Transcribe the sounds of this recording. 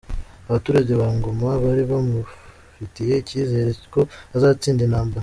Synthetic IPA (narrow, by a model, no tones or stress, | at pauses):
aβatuːɾaɟe̞βaːŋɡo̞maβaɾiβamu | fitije̞iciːze̞ɾeci̥ko̞azaːt͡siːndinaːmbaɾ